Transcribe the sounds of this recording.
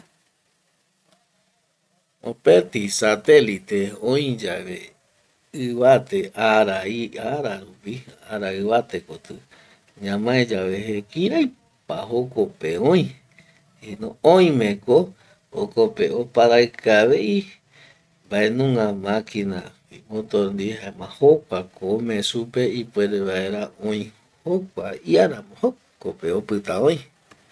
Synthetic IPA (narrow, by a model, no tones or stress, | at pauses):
opet̪isat̪elit̪eõĩd͡ʒaβe | ɨβat̪eaɾaiaɾaɾupiaɾaɨβat̪e̞kot̪ɨ | ɲãmãẽd͡ʒaβeɦekĩɾaj | paɦokopeõĩ | inõõj̃ĩmẽko | okopeopaɾakʰaβei | mbae̞nũŋãmãkĩna̰ | imõt̪oɾnd̪iɦaemãhokʷakomẽsupe̞ipweɾeβaeɾaõj̃ | hokʷaiaɾamõho | kopeopɨt̪aõj̃